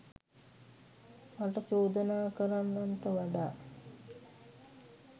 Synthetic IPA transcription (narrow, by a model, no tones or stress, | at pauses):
maʈət͡ʃoːd̪ənaːkəɾanːant̪əʋaɖaː